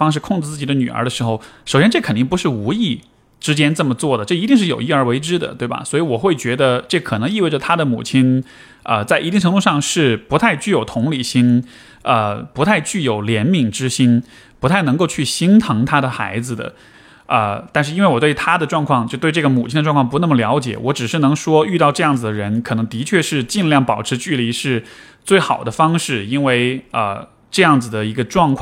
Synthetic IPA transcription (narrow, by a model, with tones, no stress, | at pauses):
ɑ˥ŋʂɻ̩˥˧kʰʊ˥˧ŋʈ͡ʂɻ̩˧t͡sɹ̩˥˩t͡ɕi˨˩d̪ə˦ny̰˨˩ə̰˞˧˥d̪ə˧ʂɻ̩˧˥xo˧ʊʂo˨˩ʊɕjɛ˥nʈ͡ʂɤ˥˩kʰə˨˩nt̪i˥˩ŋpu˧˥ʂɻ̩˥˩u˧˥i˥˩ | ʈ͡ʂɻ̩˥t͡ɕjɛ˥nt͡sɤ˥˩mə˩t͡swɔ˥˩d̪ə˩ʈ͡ʂɤ˥˩i˧˥i˥˧ŋʂ̬ɻ̩˥˩jo˨˩ʊi˥˩ə˞˧˥we˧˥ɪʈ͡ʂɻ̩˥d̪ə̰˨t̪we˥˩bɐ̰˩swɔ˧˥i˧˥wɔ˨˩xwe˥˩ɪt͡ɕɥɛ˧˥d̪ə˧ʈ͡ʂɤ˥˩kʰɤ˨˩nɤ˧˥ŋi˥˧we˥˩ə˨˩t̪ʰa˥d̪ə˨mṵ˨˩t͡ɕʰi˥n | ə̰˧t͡sa˥˩ɪi˧˥i˥˩ŋʈ͡ʂʰɤ˧˥nt̪u˥˧ʂɑ˥˧ŋʂɻ̩˥˩pu˧˥t̪ʰa˥˧ɪt͡ɕy˥˩jo˨˩ʊt̪ʰʊ˧˥ŋli˨˩ɕi˥n | ə˧pu˧˥t̪ʰa˥˧ɪt͡ɕy˥˩jo˨˩ʊljɛ˧˥nmi˨˩ŋʈ͡ʂɻ̩˥ɕi˥n | pu˧˥t̪ʰa˥˩ɪnɤ˧˥ŋko˥˧ʊt͡ɕʰy˥˩ɕi˥nt̪ʰɤ˧˥ŋt̪ʰa˥ɾə˨xa̰˧˥ɪd͡zɹ̩˧d̪ə̰˩ | ə̰˧t̪a˥˧nʂɻ̩˥˧i˥nwɪwɔ˨˩t̪we˥˩ɪt̪ʰa˥d̪ə˨ʈ͡ʂwɑ˥˧ŋkʰwɑ˥˧ŋt͡ɕo˥˧ʊt̪we˥˧ɪʈ͡ʂɤ˥˩ɡə˩mu˨˩t͡ɕʰi˥˩ndə˧ʈ͡ʂwŋkʰpu˧˥nə˥˩mə˩ljɑ˧˥ʊt͡ɕjɛ̰˨˩wɔ˧˥ʈ͡ʂɻ̩˨˩ʂɻ̩˥˩nɤ˧˥ŋʂwɔ˥y˥˧t̪ɑ˥˧ʊʈ͡ʂɤ˥˧jɑ˥˩ŋd͡zɹ̩˩ə˩ɻə˧˥nkʰɤ˨˩nɤ˧˥ŋt̪i˧˥t͡ɕʰɥɛ˥˧ʂɻ̩˥˧t͡ɕi˥˧nljɑ˥˩ŋpɑ˨˩ʊʈ͡ʂʰɻ̩˧˥t͡ɕy˥˩li˧˥ʂɻ̩˥˧ | t͡swe˥˩ɪxɑ˨˩ʊd̪ə˦fɑ˥ŋʂɻ̩˥˩i˥nwe˥˩ɪə̰˧˩ | ʈ͡ʂɤ˥˧jɑ˥˩ŋd͡zɹ̩˩d̪ə˩i˧˥ɡə˧ʈ͡ʂwɑ˥˧ŋkʰw